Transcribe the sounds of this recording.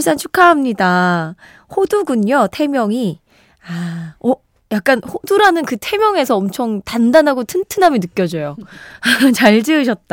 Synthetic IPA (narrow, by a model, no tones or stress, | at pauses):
ɭs͈ant͡ɕʰu̥kʰaɦamɲida | hoduɡuɲjʌtʰe̞mjʌŋi | aʌ | jak̚k͈anhoduɾanɯnkɯtʰe̞mjʌŋe̞sʰʌʌmt͡ɕʰʌŋtandanɦaɡotʰɯntʰɯnɦamjʌnɯk͈jʌd͡ʑʌjo | t͡ɕaɭd͡ʑɯɯɕʰʌt̚t͈a